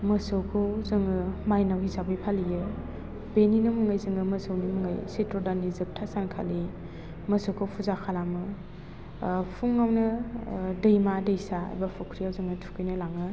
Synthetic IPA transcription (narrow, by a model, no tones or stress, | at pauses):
mɐsɯwkʰowzɯŋɯmajnawhisabɯjpʰalijɯ | beninɯmuŋajzɯŋɯmɐsɯwnimuŋajsetɾodanizɯk̚tʰasankʰa̰li | mɐsowkʰowpʰuzakʰalamɯ | pʰuŋːawnɯ | dɯjmadɯjsa̰jbapʰukʰɾijawzɯŋɯtʰu̥kʰɯjnɯlaŋɯ